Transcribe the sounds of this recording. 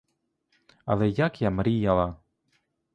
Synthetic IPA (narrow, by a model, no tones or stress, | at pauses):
ɐ̰lɛjakjamɾʲijalˠa